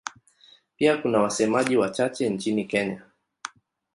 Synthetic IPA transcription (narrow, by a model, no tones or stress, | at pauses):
piakunawasɛmaʄiwat͡ʃat͡ʃɛnt͡ʃinikɛɲa